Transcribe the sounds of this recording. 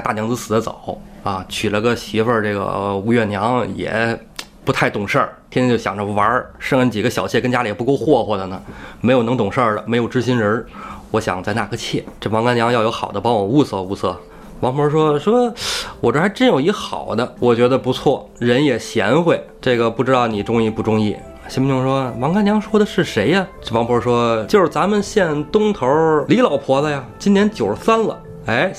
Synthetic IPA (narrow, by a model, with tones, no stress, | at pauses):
t̪a˥˩njɑ˧˥ŋt͡sɹ̩˥˧sɹ̩˨˩ə˦t͡so̰˨˩˦ʊɐ˧˩t͡ɕʰy˨˩lə˧˦˧ɡə˧ɕi˧˥fə˥˧ʈ͡ʂɤ˥˩ɡə̰˩u˧˥ɥɛ˥˩njɑ˧˥ŋjɛ̰˨˩ | pu˧˥t̪ʰa˥˩ɪt̪ʊ˨˩ŋʂə˞˥˩t̪ʰɛ˥jo˥˩ɕjɑ˨˩ŋʈ͡ʂə˧wɐ˧˥ʂɤ˥˧ŋə˧˩t͡ɕi˨˩ɡə˦ɕjɑ˨˩ʊt͡ɕʰɛ˥˩kə˥nt͡ɕja˥li˨˩pu˥˧ko˥˧ʊxwɔ˥˩xwɔ˥˩d̪ə˨˩nə˩me˧˥ɪjo˨˩ʊɤ˧˥ŋt̪ʊ˨˩ŋʂə˥˩lə̰˩me˧˥ɪjo˨˩ʊʈ͡ʂɻ̩˥ɕ̬i˥nɻə˧˥wɔ˧˥ɕjɑ̰˨˩ŋt͡sa˥˧ɪna˥˩kʰɤ˥˧t͡ɕʰjɛ˥˩ʈ͡ʂɤ˥˩fɑ˧˥ŋka˥njɑ˧˥ŋjɑ˥˧ʊjo˧˥ʊxɑ˨˩ʊd̪ə˦pɑ˥ŋwɔ˨˩u˥˧sɤ˥˧u˥˧sɤ˥˩ | wɑ˧˥ŋpʰwɔ˧˥ʂwɔ˥ʂwɔ˥wɔ˨˩ʈ͡ʂo˧˥xɪʈ͡ʂə˥˧njo˨˩ʊi˧˥xɑ̰˨˩ʊd̪ə˦wʔɔ˨˩t͡ɕɥɛ˧˥d̪ə˧pu˧˥t͡sʰwɔ˥˩ | ɻə˧˥njɛ˨˩ɕjɛ˧˥nxwe˥˩ɪʈ͡ʂɤ˥˩ɡə˩pu˥˩ʈ͡ʂɻ̩˥t̪ɑ˥˩ʊni˨˩ʈ͡ʂʊ˥ŋi˥˧pu˥˩ʈ͡ʂʊ˥ŋḭ˥˩˧ | ɕm˥˧˥jʊ˥ŋʂwɔ˥wɑ˧˥ŋka˥nljɑ˧˥ŋʂwɔ˥d̪ə˨ʂɻ̩˥˩ʂe˧˥ɪɐ˧ʈ͡ʂɤ˥˩wŋpʰwɔ˧˥ʂwɔ˥t͡ɕjo˥˧ʊʂɻ̩˥˩t͡sa˧˥mə˨nɕjɛ˥˩nt̪ʊ˥ŋt̪ʰə˧˥li˧˥lɑ˨˩ʊpʰwɔ˧˥lə˧ja˨t͡ɕi˥nʰjɛ˧˥nt͡ɕjo˨˩ʊʂsa˥nlə̰˨ | e˥˩ɪ